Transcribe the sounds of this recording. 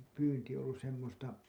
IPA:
pyːnti olːus semːostɑ

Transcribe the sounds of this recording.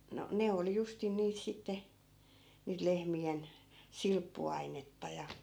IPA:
no ne oli justin niːt sitːe niːt lehmien silpːuɑinetːɑ jɑ

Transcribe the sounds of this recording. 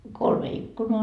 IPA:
no kolme ikːunoɑ

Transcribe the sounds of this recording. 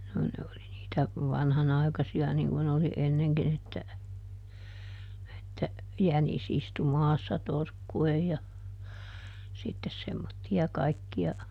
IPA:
no ne oli niːtæ ʋɑnhɑnɑi̯kɑsiɑ niŋ kun oli enːeŋkin etːæ etːæ jænis istu mɑːsːɑ torkːuej jɑ sitːes semːotːiɑ kɑikːiɑ

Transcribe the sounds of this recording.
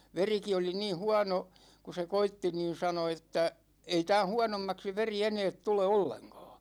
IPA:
ʋeriki oli niː huɑno ku se koitːi niːn̞ sɑno etːæ ei tæ̃ː huɑnomːɑksi ʋeri eneːt tule olːeŋkɒ̥ː

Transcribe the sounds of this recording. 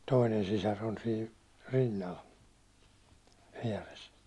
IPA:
toinen sisɑr on siː rinːɑl ʋiɛres

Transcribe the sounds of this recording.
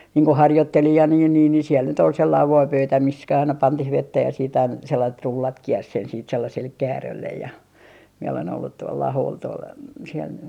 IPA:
niːŋ ko hɑrjotːelijɑn jɑ niːn niːn ni siel nyt ol selːɑiʋ ʋoipøytæ mis kæ ɑinɑ pɑntih ʋetːæ jɑ siːt ɑin selːɑit rulːɑt kiers sen siːt selːɑsel kæːrølːej jɑ miɛ olen olːut tuolː ɑhoːl tuol siel

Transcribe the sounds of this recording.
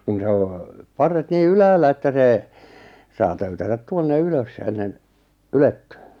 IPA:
kun se o pɑrːet niː ylæːlːæ etːæ seː sɑː tøytætæt tuonːe yløs enːen yletːẙː

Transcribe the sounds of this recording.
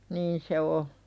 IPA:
niːn se o

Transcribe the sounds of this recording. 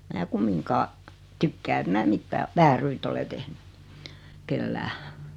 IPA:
mæː kumːiŋkɑː tykːæː et mæː mitːæː ʋæːryt ole tehny kelːæː

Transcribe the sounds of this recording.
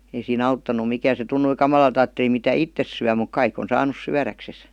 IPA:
ei siːn ɑutːɑnˑu mikæːn̞ se tunːui kɑmɑlɑlt ɑːtːeli mitæ itːes syæ muk kɑik on sɑːnus syærækses

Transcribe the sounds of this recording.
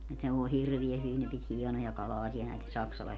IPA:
et ne ʋoi hirʋiæ hyʋin ne pit hiɛnojɑ kɑlɑːsiɑ næite sɑksɑlɑ

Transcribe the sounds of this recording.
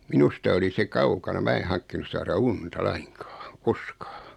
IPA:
minustɑ oli se kɑukɑnɑ mæ e hɑŋkːinus sɑːrɑ untɑ lɑiŋkɑːŋ koskɑ̥ː

